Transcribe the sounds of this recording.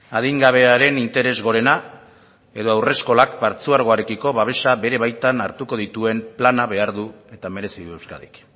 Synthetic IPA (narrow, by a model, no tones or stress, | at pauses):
aðiŋɡaβ̞e̞aɾe̞nint̪e̞ɾe̞zɣo̞ɾe̞na | e̞ð̞o̞awre̞sko̞lakbaɾt͡suaɾɣ̞o̞aɾekiko̞βaβ̞e̞ʃabe̞ɾe̞βajt̪anaɾt̪uko̞ðit̪ue̞mplanaβe̞aɾðue̞t̪ame̞ɾe̞siðue̞wskaðik